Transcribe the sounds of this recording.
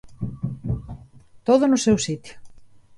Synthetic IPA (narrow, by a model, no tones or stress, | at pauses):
t̪oðʊnʊsewsit̪jʊ̥